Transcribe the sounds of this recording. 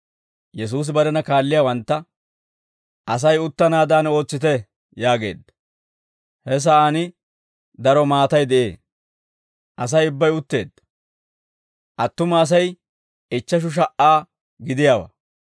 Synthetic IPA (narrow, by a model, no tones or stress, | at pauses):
jɛs̬uːs̬ɪbɐɾɛnɐkaːlːɪjaːwɐnt̪ːɐ | ɐs̬ɐjʊt̪ːɐnaːd̪aːno̞ːt͡sːɪt̪ɛ | jaːɡḛːd̪ɐ | hɛs̬ɐʔaːnɪ | d̪ɐɾɔmaːt̪ɐjd̪ɛʔe̞ː | ʔɐs̬ɐjʊbːɐjʊt̪ːe̞̰ːd̪̥ | ʔɐt̪ːʊmɐːs̬ɐj | ɪt͡ʃːɐʃ̬ʊʃ̬ɐʔaː | ɡɪd̪ɪjaːwɐ̰